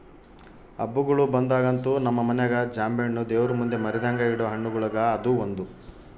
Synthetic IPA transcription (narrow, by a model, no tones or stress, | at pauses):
ɐ̰bːuɡɐɭubɐnd̪aːɡɐnt̪uːnɐmːɐmɐnɛɡɐd͡ʒaːmbeɳnːud̪eːʋɐɾumund̪emɐɾɛd̪aːŋɡɐiɽoːɦɐɳːuɡuɭɐɡɐːd̪uːond̪u